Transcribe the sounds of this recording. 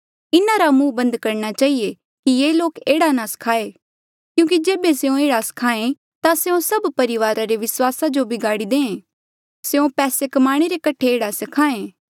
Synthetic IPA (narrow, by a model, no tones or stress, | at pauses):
ɪnãɾamũːbɐ̃nd̪kɐɾñat͡ʃaːɦie | kijeːloːkeːɽanãsɐ̥kʰaːe | kjũːk̬id͡ʒeːbeseõeːɽasɐ̥kʰaːẽ | t̪aseõsɐbpɐɾɪʋaːɾaɾeʋɪswaːsad͡ʒobʱiɡaːɽid̪ẽːẽː | seõpɛːsekɐmaːɽ̃eɾekɐʈʰeeːɽasɐkʰaːẽː